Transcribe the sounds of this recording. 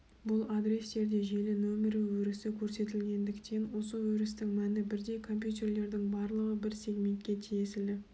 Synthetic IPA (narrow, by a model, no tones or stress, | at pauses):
bʊlˠad̪ɾe̞st̪e̞ɾd̪e̞ʒe̞lɪnomʲeɾɪwɵɾɪsɪkʲʰɵɾse̞t̪ɪlɡʲe̞nd̪ɪkt̪ʰe̞nwo̞səwɵɾɪs̬t̪ɪŋmænɪbɪɾd̪e̞jkʰo̞mpjut̪e̞rle̞ɾd̪ɪŋbɑɾlˠəʁəbɪɾsʲe̞ɡme̞nt̪̚kʲe̞t̪ʰijesɪld̪ɪ